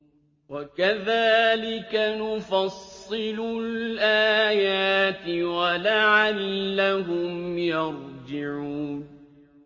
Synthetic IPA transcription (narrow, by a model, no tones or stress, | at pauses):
wakaðaːlɪkanʊfɑsˤːɨlʊlʔaːjaːt̪ɪwalaʕalːaɦʊmjɑɾd͡ʒɪʕuːn